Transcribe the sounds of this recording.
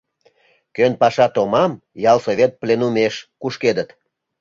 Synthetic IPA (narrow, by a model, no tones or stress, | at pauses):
kønpɑʃɑt̪omɑm | jɑlsoβʲet̪̚plenumeʃkuʃked̪ət̪